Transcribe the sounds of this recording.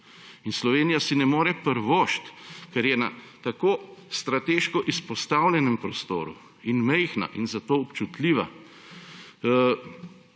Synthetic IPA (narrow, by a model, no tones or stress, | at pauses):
inslɔʋeːnijasinɛmoːɾɛpəɾʋoːʃt̪kɛɾjɛna̰ | t̪akoːst̪ɾat̪eːʃkɔʔispɔst̪aːwlʲjɛnɛmpɾɔst̪o̰ːɾṵ | inmɛjxna̰ʔinzat̪oːɔpt͡ʃut̪liːʋa̰